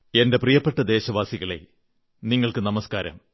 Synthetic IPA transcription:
e̞nde̞prijɐpːeʈːɐd̪e̞ːɕɐʋaːsiɣɐɭḛ | niŋːɐɭkɨnɐmɐskaːɾɐ̰m

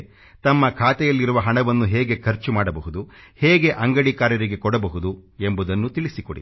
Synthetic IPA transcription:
t̪ɐmːɐkʰaːt̪ɛjɐlːiɾuʋɐɦɐɳɐʋɐnːuɦeːɡe̞kʰɐɾt͡ʃumaːɽɐbɐɦud̪uheːɡe̞ʔɐŋɡɐɽikaːɾjɐɾiɡe̞kɔɽɐbɐɦud̪ue̞mbud̪ɐnːut̪iɭisiko̰ɽḭ

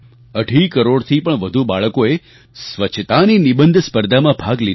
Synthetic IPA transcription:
əɖʱikəɾoɽt̪ʰipəɳʋəd̪ʱubaɭəkoe | sʋət͡ʃʰt̪aninibənd̪ʱspəɾd̪ʱamãbʱaɡlid̪

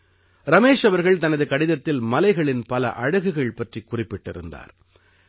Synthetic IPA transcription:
ɾɐmeːʂɐʋɐɾɣɐɭt̪ɐnɐðɯkɐɽɪðɐt̪ːɪlmɐlɐɪɣɐɭɪnpɐlɐ̰ʔɐɻɯɣɯɣɐɭpɐʈrikʊrɪpːɪʈːɪɾɯ̰nd̪a̰ːɾ

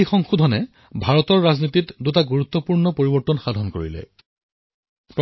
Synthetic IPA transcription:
xɔŋxudʱɔnɛ | bʱaɹɔtɔɹːaznititdutaɡuɹut̪ːɔpuɹnɔpoɹibɔɹtɔnxad̪ʱɔnko̰ɹḭlɛ̰ | pɹ

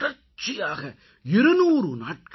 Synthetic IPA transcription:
ɐɾ | t͡ʃːijaːɣɐ | ɪɾɯnuːɾɯnaːʈ̚k

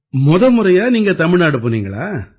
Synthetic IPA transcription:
mɔðɐmɯɾɐjaːniːŋɡɐt̪ɐmɪɻnaːɽɯpːoniːŋɡɐɭa̰ː

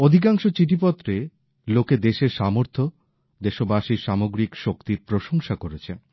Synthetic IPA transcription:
od̪ʱik̬aŋʃot͡ɕiʈ̬ip̬ɔt̪ːɾe | loked̪eʃeɾʃamoɾt̪ʰo | d̪eʃobaʃiʃamoɡɾikʃokt̪iɾpɾoʃoŋʃakoɾet͡ɕʰen

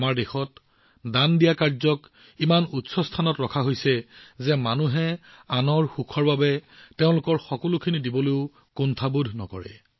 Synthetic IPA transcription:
amaɹdexɔt | dandijakaɹzɔk | imanutsɔstʰanɔtɹɔkʰaɦojsɛzɛmanuɦɛanɔɹxukʰɔɹbabɛteʊ̃lʊkɔɹxɔkɔlukʰinidibɔleʊ | kuntʰabudʱnɔ̰kɔ̰ɹɛ̰

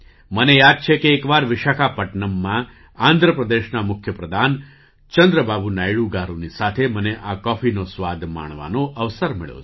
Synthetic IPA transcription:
mənejad̪̚t͡ʃʰekeːkʋaɾʋɪʃakʰapəʈɳəmːã | ãnd̪ʱɾəpɾəd̪eʃnamʊkʰjəpɾəd̪ʱan | t͡ʃənd̪ɾəbabunajɭuɡaɾunisat̪ʰeməneʔakɔfʰinosʋad̪ʱma̰ɳ̃ʋa̰noʔəʋsəɾmɪ̰ɭo̰

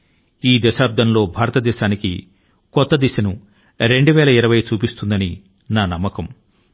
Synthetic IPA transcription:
iːd̪ɐʃaːp̚d̪ʱɐmlo̞ːbʱaːɾɐt̪ɐd̪ɛːʃaːnikḭ | kɔt̪ːɐd̪iʃɐnu | ɾeɳɖuʋɛːlɐiɾɐʋɐjt͡ʃuːpist̪und̪ɐni | naːnɐmːɐkɐm

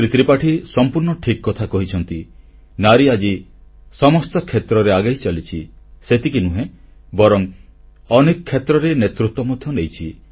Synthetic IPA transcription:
ɾit̪ɾipaʈʰisɔmpuɾɳɔʈʰikɔkɔt̪ʰakɔɦit͡ʃʰɔnt̪i | naɾiad͡ʒi | sɔmɔst̪ɔkʰːet̪ɾɔɾeaɡajt͡ʃalit͡ʃʰiset̪ikinuɦẽ | bɔɾɔŋ | ɔnekɔkʰːet̪ɾɔɾenet̪ɾut̪wɔmɔd̪ʱjɔnejt͡ʃʰi

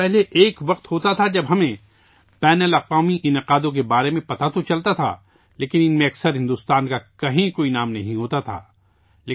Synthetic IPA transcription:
ɛɦleʔeːkʋɐq̚t̪hoːt̪at̪ʰad͡ʒɐbɦɐmẽ | pɛːnəlɐqʋaːmiʔɪnɪqaːd̪õk̬ebaːɾemẽpɐt̪at̪ʰot͡ʃɐlt̪at̪ʰa̰ | leːkɪnɪnmẽɐksəɾɦɪ̃nd̪uːst̪aːnkakɐɦĩkoːinaːmnɐɦĩɦoːt̪at̪ʰa̰ː | leː

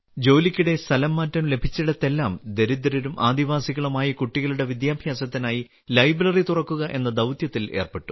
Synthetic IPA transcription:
d͡ʑo̞ːlikʲːuɽe̞st̪ʰɐlɐmːaːtːɐmle̞bʱit͡ɕːiɽɐt̪ːe̞lːaːmd̪eɾid̪ɐɾɐɾumʔaːd̪iʋaːsiɣɐɭumaːjɐkuʈːiɣɐɭuɽe̞ʋid̪jaːbʱjaːsɐt̪ːinaːji | lɐjbrɐrit̪urɐkːuɣɐʔe̞nːɐd̪ɐwt̪jɐt̪ːileːrpeʈːu̥

